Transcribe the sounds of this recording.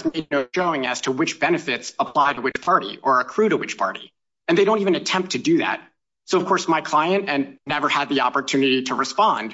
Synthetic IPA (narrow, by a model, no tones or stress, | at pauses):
zmeɪd̚ⁿnoʊʃoʊɪ̃ŋɨ̰z̥tʰəwɨt͡ʃb̥ɛnɨfɪtsəpʰl̥aɪɾəwɨt͡ʃpʰɑɹɾḭʔə˞ɨkʰɹ̥ʉɾəwɨt͡ʃpʰɑ̰ɹɾḭ | ɨ̃nðeɪɾõʊ̃ntivɨ̃nɨtʰɛ̃mp̚tʰɨdɨðæ̰t̚ | soʊʌv̥kʰɔɹsmaɪkʰl̥aɪɨ̃nʔɨ̃nːɛvə˞əd̪̚ðiɑ̰pə˞tʰʉnɨɾiɾəɹɨspɑ̃nd̥